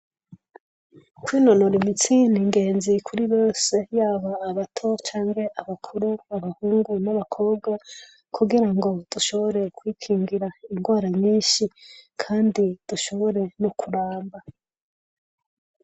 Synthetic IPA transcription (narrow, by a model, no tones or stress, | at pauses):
kwiːnono̞ɾimit͡siniŋɡe̞ːnzikʰuɾiβo̞ːse̞jaːβaːβatʰo̞t͡ʃaːŋɡe̞ʔaβakʰuɾuaβahuːŋɡunaβakʰo̞ːbɡwa | kʰuɡiɾaŋɡo̞d̥uʃo̞βo̞ɾe̞kwiːkʰiːŋɡiɾaiŋɡwaːɾaɲiːnʃikʰaːndid̥uʃo̞βo̞ɾe̞nokʰuɾaːmba